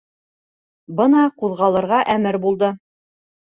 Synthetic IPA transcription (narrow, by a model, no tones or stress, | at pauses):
bɤnɑquðʁɑlˠɤ̆ɾʁɑʔæmɘɾbulˠd̪ɤ